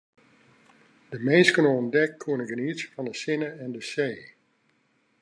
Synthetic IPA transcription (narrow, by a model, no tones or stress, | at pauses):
d̥əmeːnskənoɔndɛkkʰuənəɡəniəsəfɑndəsɪnəɛndəseː